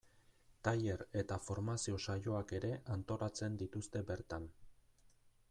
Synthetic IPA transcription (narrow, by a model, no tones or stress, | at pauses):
t̪aje̞ɾe̞t̪afo̞ɾmasio̞sajo̞ake̞ɾe̞ʔant̪o̞ɾat͡se̞nd̪it̪ust̪e̞be̞ɾt̪an